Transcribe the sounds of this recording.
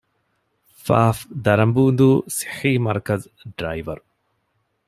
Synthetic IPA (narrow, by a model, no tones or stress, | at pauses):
faːfd̪ɐɾɐmbuːnd̪uːsi̥ħiːmɐɾkɐz | ɖɾajʋɐ̰ɾ